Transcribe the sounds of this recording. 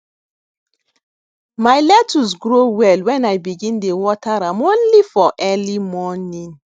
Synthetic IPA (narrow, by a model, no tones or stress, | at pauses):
majlɛtʰusɡɹowɛlwɛ̃najbiɡĩndewɔtʰaɹãmõnlifɔʔɛlimɔnĩn